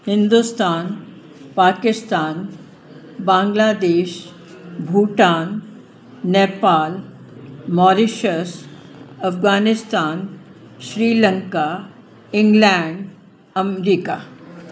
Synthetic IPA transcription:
hɪ̃nd̪ust̪aːn | paːkɪst̪aːn | bãːŋɡlaːd̪eːʃ | bʱuːʈaːnː | eːpaːl | mɔːɾɪʃəsɐfɡaːnɪst̪aːn | ʃɾiːlə̃ŋka | ɪ̃ŋɡlɛ̃ːɳɖ | ɐmɾiːkaː

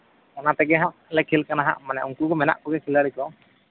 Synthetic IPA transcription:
ɔnat̪ɛɡɛɦaʔlɛkʰilkanaɦa̰ʔmanaʔuŋkukɔmɛna̰ʔkɔɡɛkʰilaɾikɔ

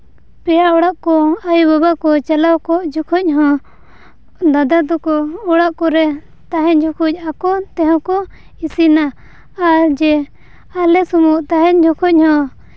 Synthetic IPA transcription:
pɛjaɔɽaʔkɔajubabaʔkɔt͡ʃalawkɔʔd͡ʒɔkʰɔc̚ɦɔ̃ | d̪ad̪ad̪ɔkɔɔɽaʔkɔɾɛ | t̪aɦɛɲd͡ʒɔkʰuc̚akɔt̪ɛɦɔ̃kɔ | isina | aɾd͡ʒɛ | alɛsumuʔt̪aɦɛɲd͡ʒɔkʰɔc̚hɔ̃

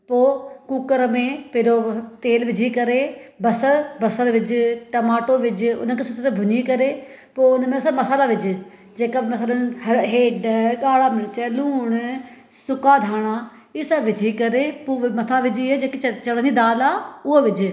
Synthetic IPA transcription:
poːkuːkəɾəmẽːpɪɾoːt̪eːlʋɪd͡ʒiːkəɾeːbəsəɾbəsəɾʋɪt͡ʃʈəmaːʈoːʋɪt͡ʃʊ̰nãːkɪsʊt̪ɾabʱʊniːkəɾeː | poːnãmẽsaməsaːlaːʋɪd͡ʒ | d͡ʒeːkaːməsaːlaɦeːɖɡaːɽaːmɪɾt͡ʃɛːluːɳ | sʊkaːd̪ʱaːɽ̃aː | ɪsaʋɪd͡ʒiːkəɾeːpoːmət̪ʰaːʋɪd͡ʒiːɛd͡ʒeːkit͡ʃt͡ʃəɽanĩːd̪aːlaːʊaːʋɪd͡ʒ

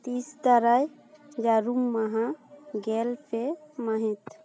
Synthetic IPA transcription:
t̪isd̪aɾaj | d͡ʒaɾumːaɦãɡelpʰemaɦit̪

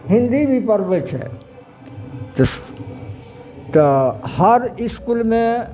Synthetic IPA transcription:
ɦɪ̃nd̪ibʱipəɾbet͡ʃʰɛ̰ | t̪əs | t̪əhəɾɪskulmẽ

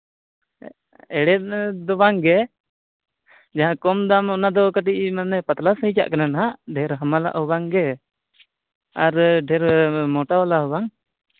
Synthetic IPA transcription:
ɛɽɛd̪ɔbaŋɡɛ | d͡ʒaɦãkɔmd̪amɔnad̪ɔkəʈiʔmanɛpat̪lasɦət͡ʃa̰ʔkənanɦaʔɖʱɛɾɦəmala̰ʔɦɔbaŋɡɛ | aɾɖʱɛɾmɔʈaalaɦubaŋ

